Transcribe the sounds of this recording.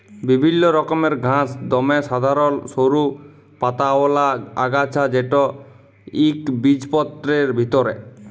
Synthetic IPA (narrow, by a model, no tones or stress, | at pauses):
bibʱinːɔɾɔkɔmeɾɡʱãsd̪ɔmesad̪ʱaɾɔnsoɾu | pat̪aɔlaa̰ɡat͡ʃʰad͡ʒeʈɔ | ikbid͡ʒpɔt̪ːɾeɾbʱit̪ɔɾḛ